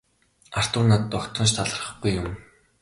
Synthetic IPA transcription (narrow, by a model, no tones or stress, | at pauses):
ar̥t̪ʊːnat̪t̪ɔkt̪ʰɞ̆nʃ̬t̪ʰaɮə̆rχ̆ɡujːʊm